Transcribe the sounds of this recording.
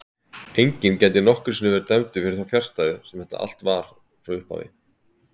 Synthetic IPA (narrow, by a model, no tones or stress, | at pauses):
ejɲcɪncɛnt̪ɪnɔhkʏɾ̥sinʏvɛɾt̪ɛmt̪ʏfɪɾɪθawfjar̥st̪ajðɪsɛmθɛht̪a̰ʔa̰l̥t̪vaɾ̥ | fɾaʏhpa̰vɪ̰